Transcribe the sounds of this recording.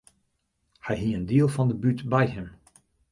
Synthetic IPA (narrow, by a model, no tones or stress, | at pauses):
hɛjɦiəndiəlˠvɑndəbytbɛjɦɪm